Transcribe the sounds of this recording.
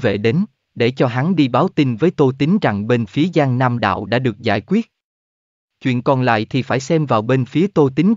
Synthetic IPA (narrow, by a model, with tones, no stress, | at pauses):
vḛ˧˨ɗe˨˦n | ɗe˧˩t͡ɕɔ˧ɦa˨˦nɗi˧ɓaː˨˦wt̪i˧nvəː˨˦jt̪o˧jt̪ï˨˦ŋ̟za˨˩ŋɓe˧nfi˨˦əzaː˧ŋna˧mɗa̰ː˧˨wɗa̰ː˧˥ɗɨ˨˩ək̚za̰ː˧˩jkwi˦˥ət̚ | t͡ɕwḭ˧˨ənkɔ˨˩nla̰ː˧˨jt̪ʰi˨˩faː˧˩jsɛ˧mvaː˨˩wɓe˧nfi˨˦ət̪o˧jt̪i˨˦ŋ